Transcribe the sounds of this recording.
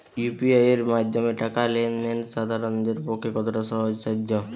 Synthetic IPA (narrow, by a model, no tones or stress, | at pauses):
jupiajeɾmad̪ʱomeʈakalenːenʃad̪ʱaɾond̪eɾpokʰːekɔt̪ʰoʈaʃɔɦod͡ʑsad͡ʒːo